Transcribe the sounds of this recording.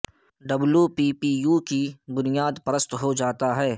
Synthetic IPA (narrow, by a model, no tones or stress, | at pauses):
ɖɐbljupiːpiːjuːkibʊnijaːd̪pəɾəst̪ɦod͡ʒaːt̪aɦɛː